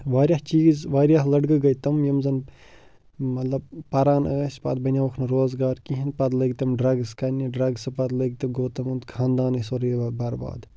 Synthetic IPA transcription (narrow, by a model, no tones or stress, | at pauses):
ʋaːɾʲjaht͡ʃiːzʋaːɾjaɦlɐɖɡɨɡɐjt̪ɐmjɐmzɐn | mɐt̪lɐb̚pɐɾaːnəːsʲpɐ̰t̪̚bɐnʲaːʋɐkʰnɨɾoːzɡaːɾkĩɦinpɐd̪lɐɡt̪ɐmɖɾɐɡskɐnʲiɖɾɐɡsɨpɐt̪lɐɡʲt̪ɐɡoːt̪ɐmunt̪kʰãːnd̪aːnɨsoɾibɐɾba̰ːd̪